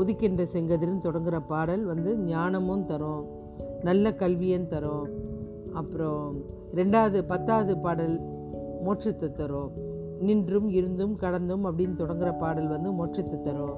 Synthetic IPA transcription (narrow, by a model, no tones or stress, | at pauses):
ɔðɪkːɪndrɐsɛŋɡɐðɪɾɯnt̪ɔɽɐŋɡɪɾɐpaːɽɐlʋɐnd̪ɯɲaːnɐmɯmt̪ɐɾõː | nɐlːɐkɐlʋɪjɐnt̪ɐɾõː | ɐpːɯɾõː | ɾɛɳɖaːʋɐðɯpɐt̪ːaːʋɐðɯpaːɽɐl | moːʈrɪt̪ːɯt̪ːɐɾõː | nɪndrɯmɪɾɯnd̪ɯmkɐɽɐnd̪ɯmɐpːɐɽɪnːɯt̪ɔɽɐŋɡɪɾɐpaːɽɐlʋɐnd̪ɯmoːʈrɪt̪ːɯt̪ːɐɾõː